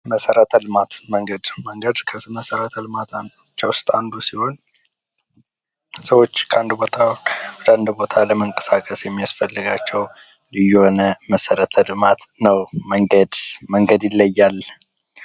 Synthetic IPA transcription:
məsəɾət̪ʰəlɨmat̪məŋɡəd̪məŋɡəd̪kʰəməsəɾət̪ʰəlɨmat̪a | t͡ʃːawʊst̪ʼand̪usiho̞n | səwo̞t͡ʃːkʰəand̪ubo̞t̪ʰawwɔd̪and̪ubo̞t̪ʰaləməŋkʼəsakʼəsjɛmːijasfəlːɨɡat͡ʃːɛw | lɨjːuho̞nəməsəɾət̪ʰəlɨmat̪nəwməŋɡəd̪məŋɡəd̪jɪlːəjːalː

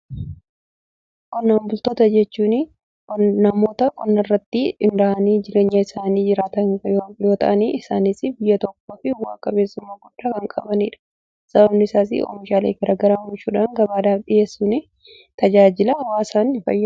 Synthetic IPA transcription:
kʼɔnːaːmbʊlt̪oːt̪ɐd͡ʒɛt͡ʃːuːnɪ | kɔnɐmo̞ːt̪ɐkʼɔnːɐrːɐt̪ːɪɪnd̪ɐʔɐniːd͡ʒɪɾe̞ːɲːɐɪsaːniːd͡ʒɪɾaːt̪ɐjo̞ːt̪ɐʔɐniːɪsaːnisɪbɪjːɐt̪ɔk̚ːoːfɪwaːkʼɐbe̞ːsːʊmːaːɡʊɗːaːkɐŋkʼɐbɐniːᶑɐ̥ | sɐbɐbnɪɪsaːs̬ɪ̰ɔ̰fɪʃaːleːɡɐɾaːɡɐɾaːmʊt͡ʃːuːᶑaːŋɡɐbaːd̪aːfɗɪje̞ːsːunɪ | t̪ɐd͡ʒaːd͡ʒɪlɐhɐwaːsaːnɪfɐ̰jːa

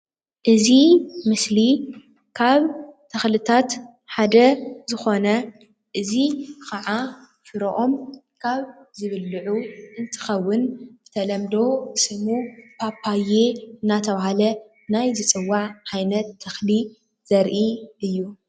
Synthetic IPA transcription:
ʔɨzimɨsli | kʰaβt̪ʰːɐxlɨt̪ʰat̪ | ħad̪ɐzɨxo̞nɐ | ʔɨzikɐʕa | fɨɾoʔo̞m | kʰaβzɨβɨlːɨʕuʔɨnt̪ʰɨ̥xɐwːɨnbɨt̪ʰɐlɐmd̪o̞sɨmupʰapʰːaje̞ɨnːat̪ʰɐβahalɐ | najzɨt͡sʼɨwːaʕʕajnɐt̪ʰːɐxli | z̥ɐɾʔiʔɨjːu

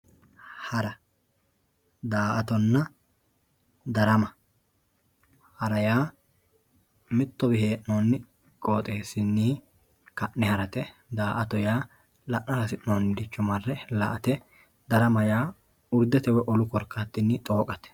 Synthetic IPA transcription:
hɐɾɐ | d̪aːʔɐt̪ɔnːɐ | d̪ɐɾɐmɐ | hɐɾɐjaː | mɪt̪ːɔbɪheːʔnoːnːɪ | kʼo̞ːt̪ʼeːsːɪnːiː | kɐʔnɛhɐɾɐt̪ɛd̪aːʔɐt̪ɔjaː | lɐʔnɐɾɐsɪʔnoːnːd̪ɪt͡ʃːɔmɐrːɛlɐ̰ʔɐt̪ɛ | d̪ɐɾɐmɐjaː | ʊɾd̪ɛt̪ɛwɛʔɔlʊkɔɾkːat̪ːɪnːɪt̪ʼo̞ːkʼɐt̪ɛ̥

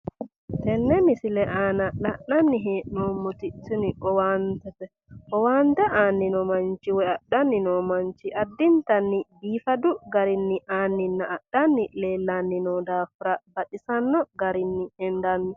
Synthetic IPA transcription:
tɛnːɛmisilɛʔanalaɗanːiɦɛnɔmːutitːiniʔɔwant̪ɛtɛ | ʔɔwant̪aʔanːinɔmant͡ʃiwɛaɗanːinɔmaɲt͡ʃiʔadːint̪anːibiːfaduɡaɾinːiʔaːnːinːaːɗːanːilɛlanːinɔdafɾab̥aɗisanːɔɡaɾinːiɛndanːi

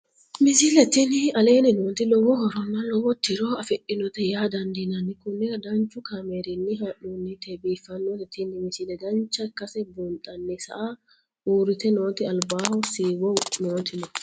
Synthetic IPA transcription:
mɪsilɛt̪inɪɐleːnɪnoːnt̪ɪlɔwɔhɔɾɔnːɐlɔwɔt̪ːɪɾoːɐfɛʔɪnɔt̪ɛjaːd̪ɐnd̪inɐnːɪkʊnːɛɐd̪ɐnt͡ʃːʊkameːɾɪnːɪɦɐʔunːɪt̪ebiːfːɐnːɔt̪ɛt̪inːɪmɪsilɛɡ̪ɐnt͡ʃːɐkːɐsɛbunt̪ʼɐnːɪsɐ̰ʔa | ʔuːɾɪt̪ɛnoːt̪ɪɐlbaːhɔsiːwɔnoːt̪ɪnɔ

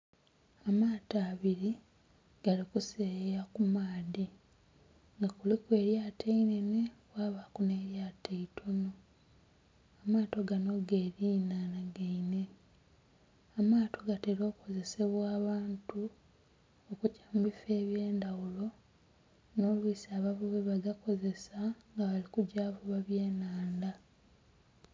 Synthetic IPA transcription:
amaːtaːβiɾi | ɡ̥alikusejakumaːði | ŋɡakulikwe̞ɾjaːtʰeinenekwaːβakune̞ɾjaːtʰeitʰo̞no̞ | amaːto̞ɡano̞ɡeːɾiːnanaɡeine | amaːto̞ɡateɾo̞ːko̞ze̞se̞βwaːβaːntu | okucamubife̞ːβjeːndawulo̞ | no̞ːlwiːsaːβaβuβeβaɡako̞ze̞saŋɡaβalikuɟaːvuβaβje̞ːnaːnda

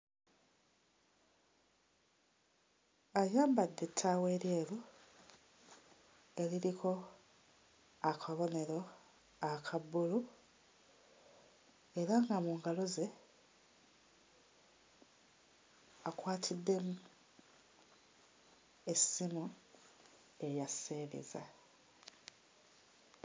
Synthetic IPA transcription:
ajaːmbadːe̞tʰːawe̞ːɾje̞ːlu | e̞liɾikʰo̞ | akʰaβo̞ne̞ɾo̞ | akʰabulu | e̞ɾaŋɡamuŋɡalo̞ze̞ | akwaːtʰidːe̞mu | e̞simu | e̞jaseːβḭza̰

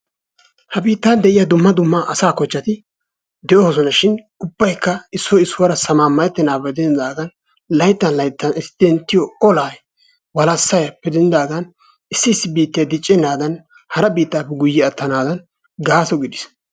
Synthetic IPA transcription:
hɐbiːt̪ːɐnd̪ɛʔɪjad̪ʊmːɐd̪ʊmːaːʔɐsaːkɔt͡ʃːɐt̪ɪ | d̪ɛʔɔhɔsɔnɐʃɪn | ʊbːɐjkːɐɪsːɔɪsːʊwɐɾɐsɐmaːmːɐʔɛt̪ːɛnaːpːɛd̪ɛnɪd̪aːɡɐn | lɐjt̪ːɐnlɐjt̪ːɐnɪsd̪̥ɛnt̪ːɪjɔɔlaːj | wɐlɐsːɐjɐpɛd̪ɛnːɪd̪aːɡɐn | ɪsːɪɪsːɪbiːt̪ːɪjɐd̪ɪt͡ʃʼːɛnaːd̪ɐn | hɐɾɐbiːt̪ːaːpːɛɡʊjːɪɐt̪ːɐnaːd̪ɐn | ɡaːsɔɡɪd̪ɪs

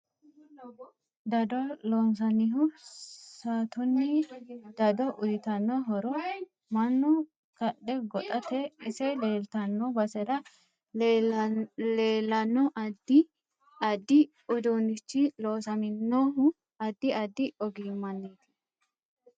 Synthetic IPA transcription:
d̪ɐd̪ɔloːns̬ɐnɪɦʊsaːt̪ʊnːɪd̪̥ɐd̪ɔʔʊjɪt̪ɐnːɔɦɔɾɔ | mɐnːʊ | kɐɗɛɡɔt̪ʼɐt̪ɛɪsɛleːlt̪ɐnːɔbɐsɛɾɐ | leːlːɐnːɔʔɐd̪ɪ | ɐd̪ːɪ | ʊd̪unɪt͡ʃːɪloːsɐmɪnːoɦʊ | ɐd̪ːɪɐd̪ːɪɔɡiːmɐnːeːt̪ɪ̥

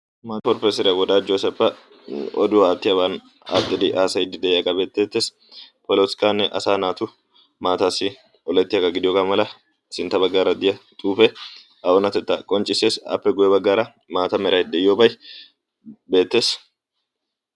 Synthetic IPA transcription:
mat̪ɔɾpɛsɪɾɐwɔd̪aːd͡ʒoːsɛfːɐ | ɔ̰d̪ʊwaːt̪ːɪjɐbaːn | a̰t̪ʼːɪd̪ɪʔaːsɐjɪd̪ːɪd̪ɛjjɐkʼɐbe̞ːt̪ːe̞ːt̪ːeːs | pɔloskʼanːɛʔɐ̰saːnaːt̪ʊ | maːt̪asːɪ | ɔlɛt̪ːɪjɐkɐɡɪd̪ɪjoɡɐmɐlɐ | sɪnt̪ːɐbɐɡːaːɾɐd̪ɪjɐt̪ʼuːfɛ | ɐʔɔnɐt̪ɛt̪ːɐkʼɔnt͡ʃʼːɪse̞ːsɐ̰pːɛɡʊjɛbɐɡːaːɾɐ | maːt̪ɐmɛɾɐjd̪ɛɪjobɐj | be̞ːt̪ːe̞ːs

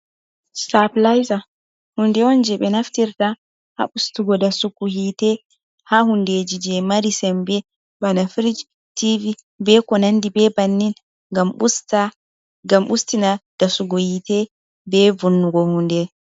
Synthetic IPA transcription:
staplajza | hundɛɔnd͡ʒɛɓɛnaftiɾta | ha̰ɓustuɡɔdasukuhitɛ | hahundeːd͡ʒid͡ʒɛmaɾisɛmbɛ | banafɾid͡ʒ | tivi | bɛkɔnandibɛbanːin | ŋɡamusta | ɡamʔustinad̥asuɡɔhitɛ | bɛvunːuɡɔhundɛ

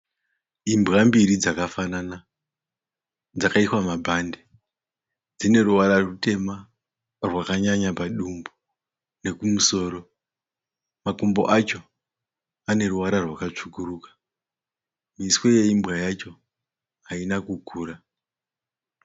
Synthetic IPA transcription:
imbɣambiɾid͡zakafanana | d͡zakaiswamabʱande | d͡zine̞ɾuʋaɾarute̞ma | rwakaɲaɲapaɗumbu | ne̞kumuso̞ːɾo̞ | makumbo̞̰ʔat͡ʃo̞ | ane̞ɾuʋaɾarwakat͡ʂukuruːkḁ | miswo̞je̞imbɣajat͡ʃo̞ | ɦainakukʰuːɾa

